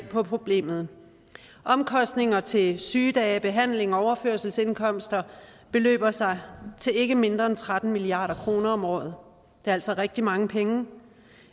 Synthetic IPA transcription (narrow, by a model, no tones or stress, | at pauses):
pʰɒ̽pʰʁo̝b̥le̝̰ːmð̞̩ˠ | ʔɒ̽mkʰɒ̽sd̥ne̝ŋɐt͡sʰe̝syːd̥ɛːb̥e̝ɦæn̰le̝ŋɒɒʊɐføɐsl̩se̝nkʰɒ̽m̰sd̥ɐb̥e̝lø̰ːb̥ɐsɑ̈ɪt͡sʰe̝le̝ɡ̥əme̝nd̥ʁɐent͡sʰʁad̥n̩miliɑ̈ːɾɐkʰʁo̝ːnɐɒ̽mɒ̰ːð̞̩ˠ | d̥e̝ɐæl̰sɒʁɛɡ̥̚d̥imɑ̈ŋəpʰeŋə